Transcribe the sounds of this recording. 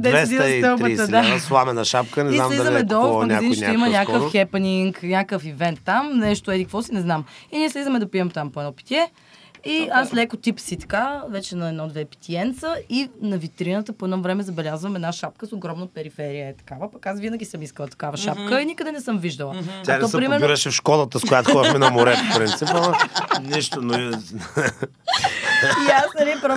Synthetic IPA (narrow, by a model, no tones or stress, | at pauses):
d̪ɛvɛd̪ist̪ɛwbəiəd̪aslˠamɛnɐʃapkənɛzinsamlizəmɛd̪ɔfmənʲɡəazinʃʲt̪imənʲɲʲakəfxɛpɛniŋknʲakəfivɛnt̪ːamnɛʃt̪oɛd̪ikkvɔsinɛznaminiɛslizəmɛd̪ɐpiɛmt̪ampoɛd̪ɔpi̥t̪ʲiɛ | iaslɛkot̪ipsit̪ɐ̥kavɛt͡ʃɛnɐɛd̪nɔd̪vɛpi̥t̪ʰʲiɛnt̪səinɐvit̪ɾinət̪əpoɛd̪nɔvɾɛmɛzɐbɛlʲazvəmɛd̪naʃap̚kəsoɡɾɔmnəpɛɾifɛɾijəɛt̪ɐ̥kavəpɐkasvinəɡ̟ʲisəmiskəlˠət̪ɐ̥kavəʃap̚kəinikəd̪ɛnɛsəmviʒd̪əlˠəanɔsɛpɾimɛɾniɾɛʃɛfʃkɔlˠət̪əskojat̪oxɔmɛnɐmoɾɛfpɾint̪sipɐniʃt̪onoi | iasnɐlipɾɔ